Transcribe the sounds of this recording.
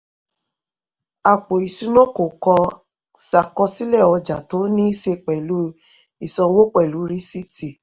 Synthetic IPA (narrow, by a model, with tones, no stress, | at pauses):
a˨k͡po˨i˨sũ˧nɔ̃˦ko˨kɔ˧ | sa˨kɔ˧si˦lɛ˦˨ɔ˧d͡ʒa̰˨to˨˦nĩ˦i˦se˧k͡pɛ˨lu˨˦ | i˨sɔ̃˧wo˦k͡pɛ˦˨lu˨˦ɾi˦si˦ti˨